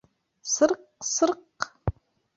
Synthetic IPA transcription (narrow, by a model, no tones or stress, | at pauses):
sɨrqsɨrq